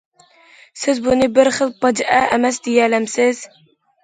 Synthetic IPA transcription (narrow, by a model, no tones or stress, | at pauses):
sɪzbunɨbɪɾχəlˠpɑd͡ʒʔɛɛmɛsd̪ejɛlæmsɪz̥